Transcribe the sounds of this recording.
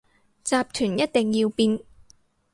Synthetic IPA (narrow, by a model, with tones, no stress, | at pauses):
t͡saː˧p̚t̪ʰyː˨˩njɐ˥t̚t̪e˨ŋjiː˧wpiː˧n